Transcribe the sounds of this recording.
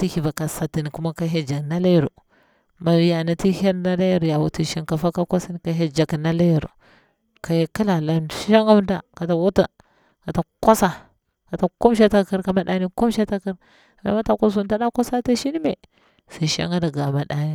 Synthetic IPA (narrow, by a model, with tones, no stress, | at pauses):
ti˦hi˨ba˨ka˨sa˨ti˨ni˨ku˦ma˦ka˦ɦe˦d͡ʒa˨kna˦la˦jɾṵ˨ | ma˨ja˨na˨ti˦ha˦lna˦la˦ja˦ɾja˨wu˨ti˨ʃi˦nka˨fa˦ka˦ka˦si˦ni˦ka˦ɦe˦d͡ʒa˨kna˦la˦ja˨ɾṵ˨ | ka˨je˦ki˦la˨la˦˨˦ʃa˦ŋɡa˦m˦da˨ka˨ta˨wu˦ta˨ | ka˨ta˨kʷa˦sa˦ | ka˨ta˨ku˦m˦ʃ̬a˦ta˦ki˦ɾka˨ma˦ɗa˦ni˦ku˦m˦ʃa˦ta˦ki˦ɾ | ma̰˦ma˦ta˨ka˦s̬u˦n˦ta˦da˦kʷa˦sa˦ta˦ʃi˦ni˦me˨ | si˨ʃa̰˦ŋɡa˦da˨ɡa˨ma˨ɗa˦ni˦